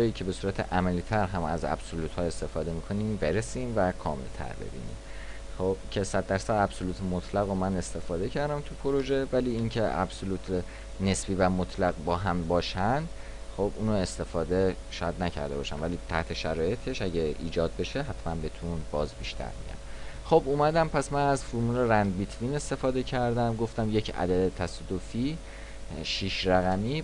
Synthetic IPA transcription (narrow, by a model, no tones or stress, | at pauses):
ɒːjiːcʰe̞be̞suːɾæt̪ʰe̞̰ʔæmæliːt̪ʰæɾɦæmæ̰zæ̰b̥soluːt̪ʰhɒːe̞st̪e̞fɒːd̪e̞miːkʰo̞niːmbe̞ɾesiːnvækʰɒːme̞̰lt̪ʰæ̰ɾbe̞̰bḭːnḭːm | χob̥cʲʰe̞sæd̪̚ːæɾsæd̪æb̥soluːt̪ʰemot̪ʰlæɣomæne̞st̪e̞fɒːd̪e̞cʰæɾd̪æmt̪ʰupʰoɾo̞ʒe̞væliːincʰe̞ʔæ̰b̥soluːt̪ʰ | ne̞sbiːvæmot̪ʰlæɣbɒːɦæmbɒːʃænd̪ | χobuːnoe̞st̪e̞fɒːd̪eʃɒjæd̪næcʰæ̰ɾd̪e̞bɒ̰ːʃænvæliːt̪ʰæ̰ht̪ʰe̞ʃæɾɒːje̞t̪ʰe̞ʃæɟeḭːd͡ʒɒːd̪̚be̞ʃe̞ɦæt̪ʰmænbe̞t̪ʰunbɒːzbiʃt̪ʰæ̰ɾmḭjæ̰mχo̞bumæd̪æmpʰæsmænæzfuɾmuːleɾænd̪bit̪ʰvine̞st̪e̞fɒːd̪e̞cʰæɾd̪æmɡo̞ft̪æmje̞cʰæ̰d̪æd̪et̪ʰæsɒd̪ofiː | ʃiːʃɾæɣæmiː